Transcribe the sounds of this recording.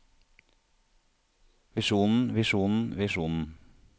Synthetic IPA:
ʋɪʃuːnn̩ʋɪʃuːnn̩ʋɪʃuːnn̩

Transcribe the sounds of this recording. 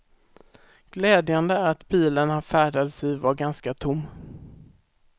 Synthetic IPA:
ɡ̥lɛːd̪jand̪əæɾat̪biːlənhaɾfæːɖad̪sɛjvaɾɡanskat̪ʰʊmː

